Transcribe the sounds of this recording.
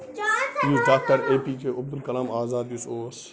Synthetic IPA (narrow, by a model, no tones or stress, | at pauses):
juːsɖaːk̚ʈəɾeːpiːd͡ʒeːʔʊb̚d̪ʊlkɐlaːmaːzaːd̪jusoːɾs